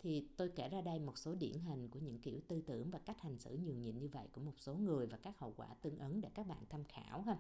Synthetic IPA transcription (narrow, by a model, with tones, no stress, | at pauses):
t̪ʰi˨˩t̪o˧jke˧˩zaː˧ɗə˧jmo˨˩t̚so˨˦ɗḭ˧˩ənɦi˨˩jŋ̟ku˧˩əɲɨ̰˧˥ŋki˧˩əwt̪ɨ˧t̪ɨ̰˧˩əŋvaː˨˩ka˦˥k̟̚ha˨˩jŋ̟sɨ̰˧˩ɲɨ˨˩əŋɲḭ˧˨nɲɨ˧və̰˧˨jku˧˩əmo˨˩t̚so˨˦ŋɨ˨˩əjvaː˨˩kaː˦˥k̚hə̰˧˨wkwaː˧˩t̪ɨ˧əŋʔə˨˦nɗḛ˧˥kaː˦˥k̚ɓa̰ː˧˨nt̪ʰa˧mxa̰ː˧˩˨whə˧